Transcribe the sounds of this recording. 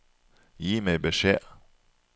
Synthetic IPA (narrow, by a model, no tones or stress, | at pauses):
jiːmeɪbəʃeː